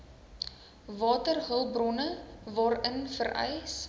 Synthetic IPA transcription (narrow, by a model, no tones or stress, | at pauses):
vɑːtərɦəlˠbrɔnəvɑːrənfəɾʔɛ̰js